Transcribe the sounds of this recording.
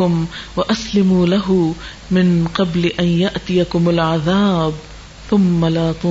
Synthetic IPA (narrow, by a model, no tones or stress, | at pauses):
ʊmwaʔaslɪmulaɦʊ | mɪnqɑblɪʔanjaʔt̪ɪjakʊmalʕaðaːb | θʊmːalaːt̪ˤu